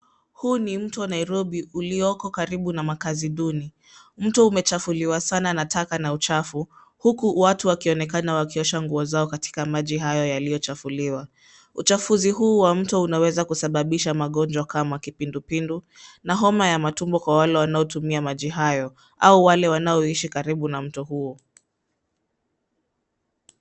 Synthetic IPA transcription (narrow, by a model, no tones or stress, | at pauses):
huːnim̩tɔanaiɾɔɓiuliɔkɔkaɾiɓunamakaziɗuni | m̩tɔumɛt͡ʃafuliwasananatʰakanaut͡ʃafu | hukuwatuwakiɔnɛkanawakiɔʃaŋɡuɔzaɔkati̥kamaʄiɦajɔjaliɔt͡ʃafuliwa | ut͡ʃafuziɦuːwam̩tɔunawɛzakusaɓaɓiʃamaɠɔnd͡ʒwakamakipindupindu | naɦɔmajamatumbɔkwawalɛwanaɔtumiamaʄiɦajɔ | ʔauwalɛwanaɔiʃikaɾiɓunam̩tɔhuɔ